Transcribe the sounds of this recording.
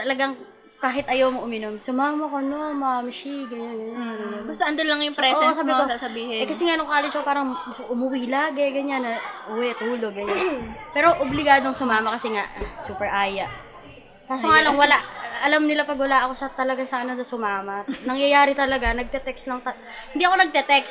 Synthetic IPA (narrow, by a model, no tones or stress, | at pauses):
t̪ɐlɐɡɐŋ | kaːɦɪt̪ʔɐjowmoʔʊmɪnomsʊmaːmɐkonomamʃiɡɐɲanɡɐɲanɐmɪɲombɐst̪ɐʔɐnd̪onlɐŋjʊŋpɾɛsabɪkosasɐbiːhɛɛkɐsɛŋaʔnoŋkaːlɛnt͡ʃkopaːɾɐŋɡʊst̪koʔʊmʊwilaːɡɛɡɐɲanɐʔʊwɛt̪uːlo̞ɡːɐɲanpɛːɾo̞ʔoblɪɡaːd̪oŋsʊmaːmɐkɐsɛŋaʔsuːpɛɹʔaːjɐʔ | p̪aːsoŋaːlɐŋwɐlaʔɐlamnɪlapɐɡ̚wɐlaːʔɐko̞sɐt̪ɐlɐɡasɐʔɐno̞nɐsʊmaːmɐnɐŋjɐjaːɾɪt̪ɐlɐɡanɐɡ̚t̪ɛt̪ɛkslɐŋt̪ɐ | hɪnd̪iːʔɐko̞nɐɡ̚t̪ɛt̪ɛks